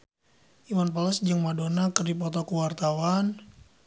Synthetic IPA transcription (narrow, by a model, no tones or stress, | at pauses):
ʔimanpɔlɛsd͡ʒəŋmadonakərdipɔt̪ɔkuwart̪awan